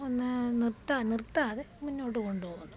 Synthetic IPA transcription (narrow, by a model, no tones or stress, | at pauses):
onːɨnirt̪ːanirt̪ːaːðeminːoːɽːɨkoɳɖupoːɣunːu